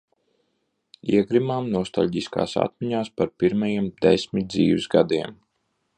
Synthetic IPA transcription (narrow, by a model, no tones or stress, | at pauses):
iɛɡɾimaːmnuɔst̪aʎʲɟiska̰ːsa̰t̪̚miɲaːspaɾpiɾmajiɛmd̪esʲmʲit̪̚d̪ziːvizɡad̪iɛm